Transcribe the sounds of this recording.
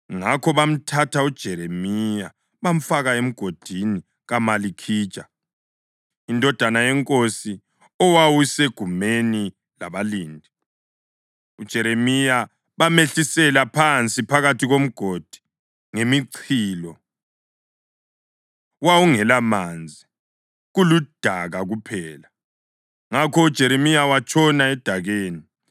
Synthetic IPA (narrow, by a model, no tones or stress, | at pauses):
ŋakʰɔβam̩tʰatʰaud̥ʒ̥ʱɛɾemija | βam̩faɣaem̩ɡ̥ʱod̥ʱini | ɣamalikʰi̥ːt͡ʃʼa | indʱɔd̥ʱanajɛŋkʼosi | ɔwawuseɡ̥ʱumeni | la̰βaliːndʱi | ud̥ʒ̥ʱɛɾemija | βameɬisɛlapʰant͡sʼipʰaɣatʰiɣom̩ɡ̥ʱod̥ʱi̥ | ŋemiǀʰiːlɔ | wawuŋɛlamand͡zʱi | ɣulud̥ʱaɣaɣupʰɛːla | ŋakʰɔud̥ʒ̥ʱɛɾemijawat͡ʃʰʼɔnaɛd̥ʱaɣeːni